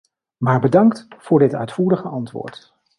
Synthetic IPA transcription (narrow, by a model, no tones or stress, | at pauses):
maːɹbədɑŋktfʊːɹdɪtœ̰ɥtfuːɾəχəʔɑntʋʊ̰ːɹt